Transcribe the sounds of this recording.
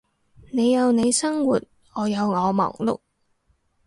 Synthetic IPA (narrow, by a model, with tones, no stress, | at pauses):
ne˨˧jjɐ˨˧wne˨˧jsɐ˥ŋwuː˨˩t̚ | ŋɔː˨˧jɐ˨˧wŋɔː˨˧mɔ̰ː˨˩ŋlʊ̰˨k̚